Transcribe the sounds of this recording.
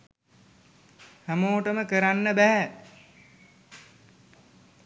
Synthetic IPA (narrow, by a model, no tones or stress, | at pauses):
hæmoːʈəməkəɾanːəbæɦæ